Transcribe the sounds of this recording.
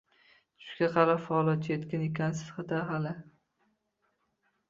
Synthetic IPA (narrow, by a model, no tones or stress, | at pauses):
t͡ʃʰʊ̥ʃʃɡʲaqʰɑɾapfaɒlɒt̪̚t͡ʃajet̪kʲanekʲʰansɪ̥sχat̪aɦalɪ